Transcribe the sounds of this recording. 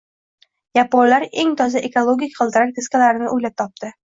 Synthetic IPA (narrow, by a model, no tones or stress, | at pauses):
japonlaɾe̞ŋt̪ʰɒzaʔe̞kolˠoɡʲikʲqʰɨlˠd̪ɪɾak̚ʲd̪ʰeskʲalaɾɪnɪʔojlap̚t̪ʰɒp̚t̪ɪ